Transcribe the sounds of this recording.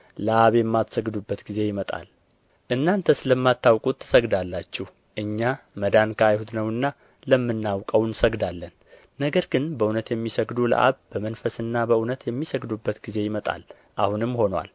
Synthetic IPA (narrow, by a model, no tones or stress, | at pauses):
ləʔaβjɛmːat̪səɡd̪ubːət̪ɡize̞jɪmət̪ʼa̰l | ʔɨnːant̪ʰəsɨləmːat̪ːawkʼut̪ʰːɨ̥səɡd̪alːat͡ʃːɛh | ʔɨɲːaməd̪ankʰajhut̪nəwɨnːa | ləmːɨnːawkʼəwnsəɡd̪alːənː | əɡəɾɡɨnbəunət̪jɛmːisəɡd̪ulə̰ʔa̰βbəmənfəsɨnːabəunət̪jɛmːisəɡd̪ubːət̪ɡize̞jɪmət̪ʼa̰l | ʔahunɨmːho̞nwa̰l